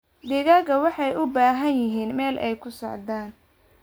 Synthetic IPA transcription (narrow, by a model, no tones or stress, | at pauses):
d̪ɪɣaːɣɐwɑħɑjʔʊbaːɦɐnjɪɦiːnmɛːlʔɛjkʰʊsɔ̰ʕd̪aːn